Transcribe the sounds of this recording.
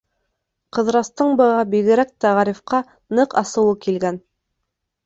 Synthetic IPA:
qɤ̆ðɾɑst̪ɤɴbɤ̆ʁɑbiɣɘ̆ɾæk̚t̪æʁɑɾifqɑ | nɤqɑ̰sɤ̆wɤkilɡæn

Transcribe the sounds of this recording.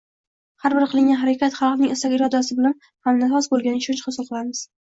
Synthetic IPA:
haɾbɪɾqʰɨlˠɪŋɡʲanɦaɾakʲat̪χɑlˠfnɪŋɪsaɡʲɪɾɒd̪as̬ɪbɪlan | hamnat̪ɒsbolˠɡʲanɪʃʰʊt͡ʃχʊsʊlˠqʰɨlˠaɾmɪz̥

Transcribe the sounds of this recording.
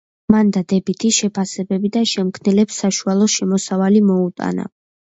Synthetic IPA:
mand̪ad̪ɛbit̪ʰiʃɛpʰasɛbɛbid̪aʃɛmkʰnɛlɛpsːaʃualˠɔʃɛmɔsavalimɔut̪ʼa̰na̰

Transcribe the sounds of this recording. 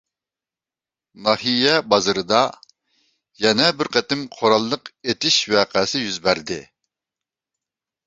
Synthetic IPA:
nɑhijɛbɑzɨɾɨd̪ɑ | jɛnɛbɪɾqɛt̪ɪmqʰoɾɑlˠːəqet̪ɪʃwɛːqʰæsɪjyzbæɾd̪ɪ

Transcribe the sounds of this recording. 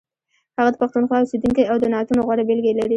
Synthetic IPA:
haɣad̪əpaxt̪unxwɑʊsed̪uŋkajawd̪ənɑt̪unoɣwaɽabɪlɡelaɾi

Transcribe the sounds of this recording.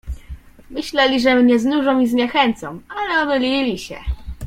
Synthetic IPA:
mɘɕlɛlʲiʐɛmɲɛznuʐɔ̃w̃izɲɛxɛnt̪sɔ̰̃walɛɔmɘlʲilʲiɕɛ̰

